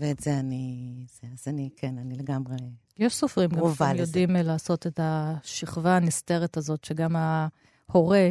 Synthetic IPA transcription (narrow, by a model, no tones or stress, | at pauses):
veːtz̥eaniz̥eazanikʰenanileɡamʁe | jeʃsofʁimɡaovajodimlaːso̞t̪e̞taʃiχvaːnist̪e̞ʁetazo̞tʃeɡama | ho̞ʁe̞